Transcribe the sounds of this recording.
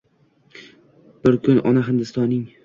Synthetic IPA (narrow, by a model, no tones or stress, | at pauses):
b̥ɪɾkʰʊnʔɒ̰naɦɪnd̪ɪst̪ɒnːɪŋ